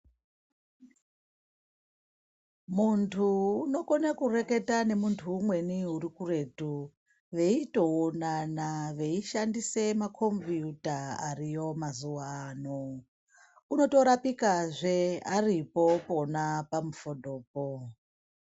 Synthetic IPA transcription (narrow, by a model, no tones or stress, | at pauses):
muntʰuːno̞ko̞nakure̞ke̞tane̞muntʰuːmwe̞niuɾikure̞tu | ʋe̞ito̞onanaʋe̞iʃandise̞makʰo̞mpjutaa̰rijo̞mazuwano | uno̞to̞ɾapikaʐearipo̞po̞napamufo̞do̞ːp̚o